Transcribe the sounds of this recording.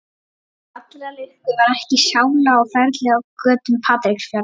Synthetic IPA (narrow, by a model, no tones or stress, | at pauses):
at̪lɾalɪst̪ɪvaɾɛhcɪsjaːwlaɔfɛɾt̪lɛɣawkœːt̪ʏmpʰaːt̪ɾɪksfjaɾ